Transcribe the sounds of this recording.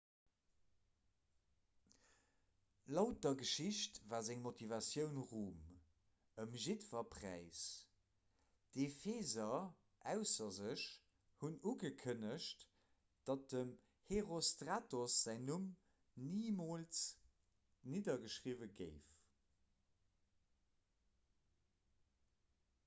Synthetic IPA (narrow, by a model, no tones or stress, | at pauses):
lɑʊt̚d̥ɐɡəʃiɕtvaːzæŋmotʰivɑsjəʊnʁuːm | əmʒitvɐpʰʁæ̰ɪs | d̥efeːzɐ | ʔæʊsɐzəɕ | hunuɡəkʰənəʃt | d̥ɑt̚dəm | heʁostʁaːtosz̥æɪnum | niːmoːlt͡s | niːdɐɡəʃʁiːvəɡə̰ɪf